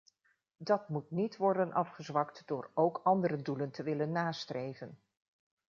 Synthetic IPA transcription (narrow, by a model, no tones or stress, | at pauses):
dɑtmutnitʋɔɹdənʔɑfχəzʋɑktd̥ʊːɹowkɑndəɾəduləntəʋɪlənːaːstrʔejvən